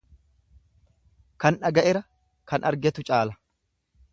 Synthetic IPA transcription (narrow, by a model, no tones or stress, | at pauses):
kɐnᶑɐɡɐʔɛɾɐ | kɐnʔɐ̰ɾɡɛt̪ʊt͡ʃʼaːlɐ